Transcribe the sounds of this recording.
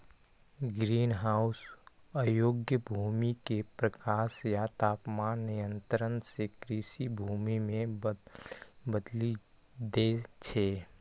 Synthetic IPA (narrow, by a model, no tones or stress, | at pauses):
ɡɾiːnɦaːʊs | ajoːɡjəbʱuːmikepɾəkaːʃjat̪aːpmaːnːɪjə̃nt̪ɾənsekɾiʃibʱuːmimẽ | bəd̪li | d̪et͡ʃʰeː